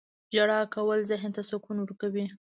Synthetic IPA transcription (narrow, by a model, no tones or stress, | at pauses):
d͡ʒaɽɑkawəlzɪɦnt̪asokunwəɾkawi